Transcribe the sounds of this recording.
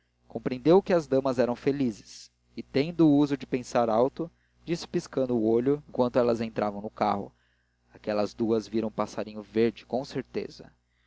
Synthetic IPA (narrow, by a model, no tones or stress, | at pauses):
kõpɾẽnd̪ewkɪɐzd̪ɐ̃mɐzɛɾɐ̃w̃felizɪ̥s | ɪt̪ẽnd̪ʊːuzʊd͡ʒɪpẽsaɾawt̪ʊ | d͡ʒisɪ̥piskɐ̃nd̪ʊːoʎʊẽŋkwɐ̃nt̪ʊɛlɐzẽnt̪ɾʔavɐ̃w̃nʊka̰ɦʊ̰ | akɛlɐzd̪uɐzviɾɐ̃ũpasaɾĩɲʊveɾd͡ʒɪkõw̃seɾt̪ḛzɐ̰